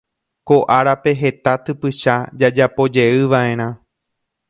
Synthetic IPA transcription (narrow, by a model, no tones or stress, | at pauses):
ko̞ʔaɾape̞ɦe̞t̪at̪ɨpɨʃad͡ʒad͡ʒapo̞d͡ʒe̞ɨʋaʔẽ̞ɾ̃ã